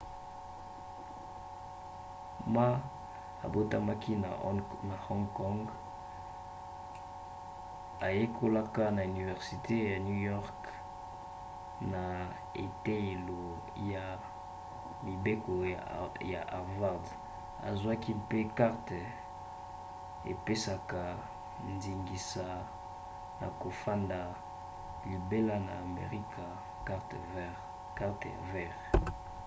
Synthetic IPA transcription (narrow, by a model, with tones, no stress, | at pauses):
ma˦ | a̰˨bo˦ta˦ma˦ki˦na˨ | na˨hɔ˦ŋɡkɔ˦ŋɡ | a˨je˦kʰo˦la˦ka˦na˨y˨ni˨vɛ˨ʁsi˨tʰe˦ja˨nu˦jɔ˦ʁk | na˨ | ḛ˨te˦e˨lo˨ | ja˨ | mi˨be˦ko˨ja̰˨ʔa˨ʁva˦ʁd | a̰˨zwa˦ki˦pe˦ka˦ʁtɛ˨ | ḛ˨pe˦sa˨ka˨ | ndi˨ŋɡi˨sa˨ | na̰˨ko˨fa˦nda˨ | li˨be˦la˦na̰ː˨mḛ˨ʁi˦kʰa˨ | ka˦ʁt | ka˦ʁtḛ˨vɛ˦˨ʁ